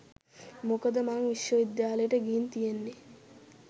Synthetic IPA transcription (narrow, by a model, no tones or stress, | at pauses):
mokəd̪əmaŋʋiʃjoid̪jaːləjəʈəɡiːnt̪ijenːe